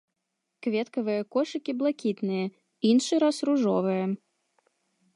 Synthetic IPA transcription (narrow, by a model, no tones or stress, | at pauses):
kvʲɛt̪kɐvɨjɐkɔʂɨkʲiblˠakʲit̪nɨjɐ | inʂɨɾasruʐɔvɨjɐ